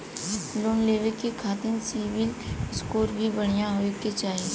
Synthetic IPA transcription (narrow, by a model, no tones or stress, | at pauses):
loːnleːʋəkekʰaːt̪ɪnsiʋɪlskoːɾbʱibɐɽ̤̃ijãɦoːeket͡ʃaːɦie